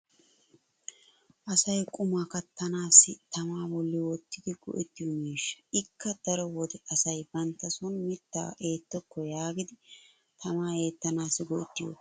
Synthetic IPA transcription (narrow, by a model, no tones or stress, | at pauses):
ʔɐsɐjkʼʊmaːkɐt̪ːɐnaːsɪt̪ɐmaːbɔlːɪwɔt̪ːɪd̪ɪɡɔ̰ʔɛt̪ːɪjɔmiːʃːɐ̥ɪkːɐd̪̥ɐɾɔwɔd̪ɛʔɐsɐjbɐnt̪ːɐsɔnmɪt̪ːa̰ːʔe̞ːt̪ːɔkːɔjaːɡɪd̪ɪ | t̪ʰɐmaːe̞ːt̪ːɐnaːsɪɡɔʔɛt̪ːɪjɔ̰